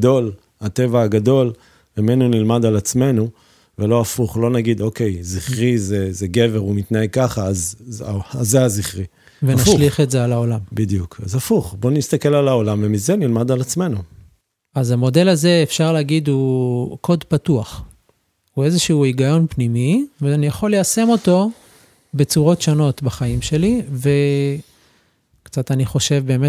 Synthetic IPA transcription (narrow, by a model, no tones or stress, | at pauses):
do̞l | hat̪e̞vaaɡad̪o̞l | memenunilmad̪alat͡sme̞nu | velo̞afuχlo̞naɡid̪o̞ke̞jziχʁizezeɡe̞veʁumit̪naeɡ̚kaχaazazːeaziχʁi | venaʃliχetzealaolambid̪jukazafuχbo̞nist̪ake̞lalao̞lamvemize̞nilmadalat͡sme̞nu | azamo̞de̞laze̞ːfʃaʁleaɡid̪ukʰo̞dpatuaχ | hue̞zeʃuuiɡajo̞npnimiveanijaχo̞lːease̞mo̞to̞ | bet͡suʁo̞tʃono̞tbaχaimʃe̞live̞ | kt͡sataniχo̞ʃe̞vbe̞ːme